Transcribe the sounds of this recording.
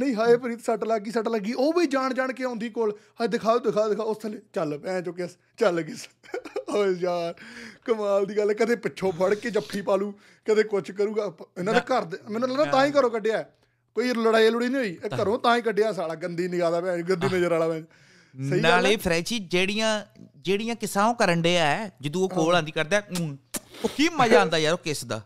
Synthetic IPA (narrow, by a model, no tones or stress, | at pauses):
nəĩːɦaːeːpəɾiːt̪səʈləɡːiːsəʈləɡːiːʔoːbiːd͡ʒaːɳd͡ʒaːɳkeːõːnd̪iːkoːl | aːd̪ɪkʰaːoːd̪ɪkʰaːd̪ɪkʰaːʊsʰlet͡ʃəlpɛ̃ːt͡ʃoːk̬es | t͡ʃəlɡɪsəed͡ʒaːɾkəmaːld̪iːɡəlɛːkəd̪eːpɪt͡ʃːʃʰõːpʰəɽkeːt͡ʃəpʰːiːpaːluː | kəd̪eːkʊt͡ʃʰkəɾuːɡaːɪnãːt̪ekəɾd̪mɛːnũːənãːt̪ãːĩːkəɾõːkəɖeaːɛ | koːiːləɽaːielʊɽiːnĩːoːiːekəɾõːt̪ãːĩːkəɖejaːs̬aːɽaːɡənd̪iːnɪɡaːd̪aːpãːɡənd̪iːmə̃d͡ʒaɾaːɽaːmɛ̃d͡ʒ | snəiːnaːleːpʰɾɛːt͡ʃiːd͡ʒeːɽijãːd͡ʒeːɽijãːkɪsãːõːkəɾəɳɖeːaːɛːd͡ʒɪd̪ũːoːkoːlãːnd̪iːkəɾd̪aː | oːkiːmːãːd͡ʒãːnd̪aːjaːɾoːkɪsd̪a̰ː